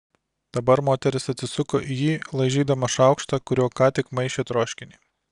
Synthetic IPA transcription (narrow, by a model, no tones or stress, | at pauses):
d̪̥ɐbɐɾmoːt̪ʲɛɾʲɪsɐt̪ʲsʲɪsʊkoːʔijiːlˠɐɪʒʲiːd̪ɐmɐʃɑˑʊkʃt̪ɐkʊɾʲoːkɑːt̪ʲɪkmɐɪʃʲeːt̪ɾoːʃʲkʲɪnʲɪː